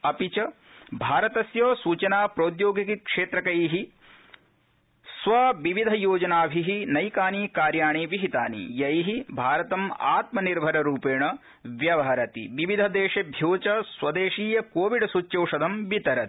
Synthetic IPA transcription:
ɐpit͡ʃɐ | bʱaːɾɐt̪ɐsjoːsuːt͡ʃɐnaːpɾoːd̪joːɡikikʂeːt̪ɾɐkɐjɦi | sʋɐʋiʋid̪ʱɐjoːd͡ʒɐnaːbʱiɦinɐjkaːniːkaːɾjaːɳiʋiɦit̪a̰ːnḭjɐjɦibʱaːɾɐt̪ɐma̰ːt̪mɐniɾbʱɐɾɐɾuːpeːɳɐ | ʋjɐʋɐɦɐɾɐt̪ḭʋiʋid̪ʱɐd̪eːʃɐbʱjoːt͡ʃɐswɐd̪eːʃiːjɐkoːʋiɖsut͡ʃːjɐwʂɐd̪ʱɐmbit̪ɐɾɐt̪i̥

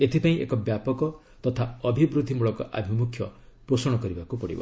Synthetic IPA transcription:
et̪ʰipaĩʔekɔbjapɔkɔ | t̪ɔt̪ʰaɔbʱibɾud̪ʱimuɭɔkɔ̰ʔa̰bʱimukʰːjɔpɾosɔɽ̃ɔkɔɾibakupɔɽḭbɔ̰

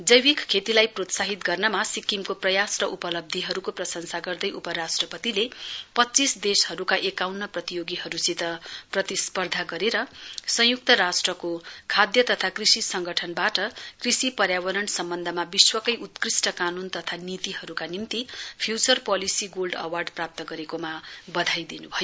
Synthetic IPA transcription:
d͡zʌjwikkʰet̪ilajprot̪saɦit̪ɡʌrnʌmasikːimkoprʌjasrʌʔupʌlʌb̚d̪ʱiɦʌɾukoprʌsʌnsaɡʌrd̪ʌjʔupʌɾasʈrʌpʌt̪ilepʌtːt͡sisd̪eshʌɾukaʔekawnːʌprʌt̪ijoɡiɦʌɾusit̪ʌprʌt̪ispʌrd̪ʱaɡʌɾeɾʌsʌ̃juk̚t̪ʌɾasʈrʌkokʰad̪jʌt̪ʌt̪ʰakrisisʌŋɡʌʈʰʌnbaʈʌkrisipʌɾjawʌɾʌnsʌmbʌnd̪ʱʌmabiswʌkʌjʔut̪krisʈʌkanunt̪ʌt̪ʰanit̪iɦʌɾukanimt̪ipʰjut͡sʌrpʌlisiɡolɖʌwarɖprap̚t̪ʌɡʌɾekomabʌd̪ʱajd̪inubʱʌjo

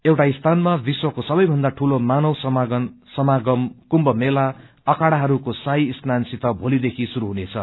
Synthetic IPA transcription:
ewʈaist̪ʰanmabiswʌkosʌbʌjbʱʌnd̪aʈʰulomanʌwsʌɡʌnsʌmaɡʌmkumbʌmela | ʌkaɽaɦʌɾukosaiːsnansit̪ʌbʱolid̪ekʰisuɾuɦunet͡sʰʌ

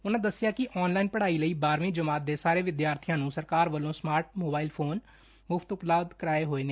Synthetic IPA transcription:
ʊnãːd̪əsːɪjaːkɪʔɔːnlaːinpəɽaːiːləiːbaːɾʋĩd͡ʒəmaːt̪̚d̪eːsaːɾeːʋɪd̪jaːɾt̪ʰɪjãːnũːsəɾkaːɾʋəlõːsmaːɾʈ̚moːbaːilpʰoːn | mʊft̪ʊpləːbd̪kəɾaːeːɦoːeːneː

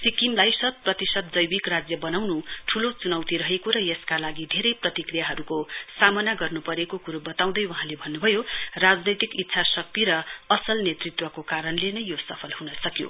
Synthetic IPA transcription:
sikimlajsʌt̪̚prʌt̪isʌt̪̚d͡zʌjbikrad͡zjʌbʌnawnuʈʰulot͡sunʌwt̪iɾʌɦekoɾʌjeskalaɡid̪ʱeɾʌjprʌt̪ikrijaɦʌɾukosamʌnaɡʌrnupʌɾekokuɾubʌt̪aw̃d̪ʌjwaɦãlebʱʌnːubʱʌjorad͡znʌjt̪ikit̪ːsʰasʌk̚t̪iɾʌʌsʌlnet̪rit̪wʌkokaɾʌnlenʌjjosʌpʰʌlhunʌsʌkjo̰

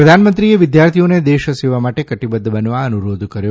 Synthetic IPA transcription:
ɾɐd̪ʱaːnɐmɐnt̪ɾiɡeʋid̪jaːɾt̪ʰijoneːd̪ɛːʃɐseːʋɐmɐʈekɐʈːibɐd̪ːɐbɐnuʋaɐnuɾoːd̪ukɐɾe

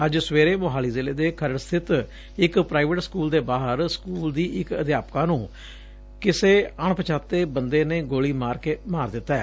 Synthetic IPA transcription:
əd͡ʒsəʋeːɾeːmoːɦaːliːzɪleːd̪eːkʰəɾəɽst̪ʰɪt̪ | ɪkpɾaːɪʋəʈskuːld̪eːbaːɦəɾskuːld̪iːʔɪkət̪jaːpkãːnũː | kɪseːəɳpət͡ʃʰaːt̪ːeːbənd̪eːneːɡoːliːmaːɾkeːmaːɾd̪ɪt̪ːaɛː

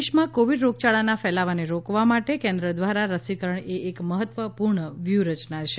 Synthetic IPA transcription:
ʃmãkoʋiɖɾoɡ̚t͡ʃaɭanafɛlaʋaneɾokʋamaʈekɛ̃nd̪ɾəd̪ʋaɾaɾəsikəɾəɳeʔːkməɦət̪ʋəpuɾɳəʋjuɾət͡ʃnat͡ʃʰe

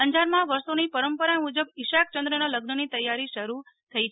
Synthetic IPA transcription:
əɲd͡ʒaɾmãʋəɾsonipəɾəmpəɾamud͡ʒəbɪʃak̚t͡ʃə̃nd̪ɾənaləɡnənit̪əjːaɾiʃəɾu | t̪ʰəit͡ʃʰ

